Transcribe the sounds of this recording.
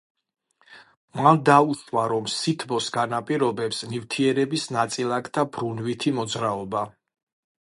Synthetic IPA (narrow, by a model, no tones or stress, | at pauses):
mand̪auʃwaɾɔmsit̪ʰbɔsɡanapʼiɾɔbɛpsnift̪ʰiɛɾɛbisnat̪sʼilˠakt̪ʰabɾunvit̪ʰimɔd̪zɾaɔba